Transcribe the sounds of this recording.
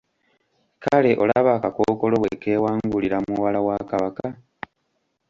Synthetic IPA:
kale̞ʔo̞̰laβaːkakoːko̞lo̞we̞̰ke̞ːwaːŋɡuliɾamuβalawaːkaβaka

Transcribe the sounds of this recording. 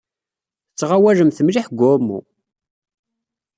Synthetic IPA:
t͡sːʁawæləmθəmliħɡʷʊmːṵ

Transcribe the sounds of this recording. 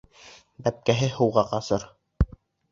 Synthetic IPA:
bæp̚kæɦɘhɤ̆wʁɑqɑsɤɾ

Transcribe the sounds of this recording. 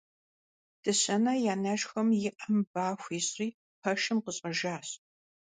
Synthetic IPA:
d̥ɨɕɐnɐjaːnɐʃxɐmjɪʔɐmbaːxʷiːɕʼriː | pʰɐʃɨmqəɕʼɐʒaːɕ

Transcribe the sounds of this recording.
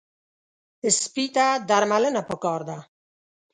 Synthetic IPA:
ɪspiːt̪ad̪aɾmalɪnapɔkɑːɾd̪a

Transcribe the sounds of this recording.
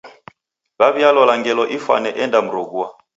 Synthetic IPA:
βaβialɔlaŋɡɛlɔʔifa̰nɛʔɛndam̩ɾɔɡua

